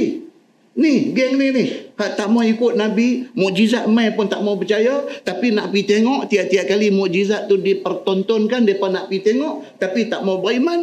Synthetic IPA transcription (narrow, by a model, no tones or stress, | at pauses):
nihɡɛŋnihnɪhhaʔt̪aʔmaikʊt̪̚nabimɔʔd͡ʒizat̪̚majpʊnt̪aʔmawpət͡ʃajat̪apinaʔpit̪eŋɔʔt̪iaʔt̪iaʔ̚kalimɔʔd͡ʒizat̪̚ːudipərt̪ɔnt̪ɔnkandiepanaʔpit̪eŋɔʔt̪apit̪aʔmawbəiman